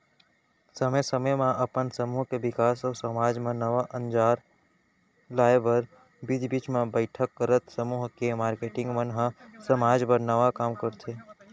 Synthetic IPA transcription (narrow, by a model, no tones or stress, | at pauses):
səməjsəməjmãʔəpənsəmuːɦkebɪkaːsɔːsəmaːd͡ʒmãnəʋaʔə̃nd͡ʒaːɾ | laːebəɾ | bid͡ʒ̪biːt͡ʃmẽbəɪʈʰəkːəɾət̪səmuːɦkemaːɾkeːʈɪ̃ŋɡmənɦəsəmaːd͡ʒpəɾnəʋakaːmkəɾt̪ʰeː